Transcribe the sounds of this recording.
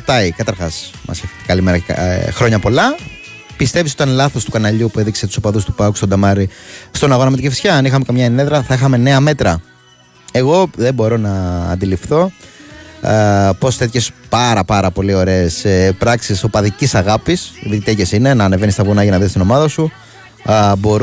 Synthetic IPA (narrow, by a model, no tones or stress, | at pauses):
t̪ɐikɐt̪ɐɾxɐs | mɐ̰sçekɐlimeɾɐ̰xɾo̞ɲɐpo̞lɐ | pist̪e̞vis̬ot̪ɐnlɐθo̞st̪ukɐnɐʎupue̞ðikse̞t̪u̥sopɐðust̪u̥pɐku̥st̪o̞d̪ɐmɐɾist̪o̞nɐɣo̞nɐmet̪icefi̥sçɐɐnixɐme̞kɐmɲɐeneðɾɐθɐixɐme̞ne̞ɐme̞t̪ɾɐ | e̞ɣo̞ðe̞bo̞ɾo̞nɐ̰ːnd̪ilifθo̞ | po̞sθet̪çe̞spɐɾɐpɐɾɐpo̞lio̞ɾe̞ːsepɾɐksiso̞pɐðicisɐɣɐpisðit̪t̪ecesine̞nɐːne̞venist̪ɐvunɐʝɐnɐðest̪ino̞mɐðɐsu | bo̞ɾ